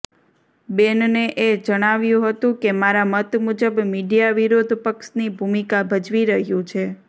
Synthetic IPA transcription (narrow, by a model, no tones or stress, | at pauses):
benneʔed͡ʒəɽ̃aʋjũɦət̪ũkemaɾamət̪mud͡ʒəbmiɖijaʋiɾod̪ʱpəksnibʱumikabʱəd͡ʒʋiɾəɦjũt͡ʃʰe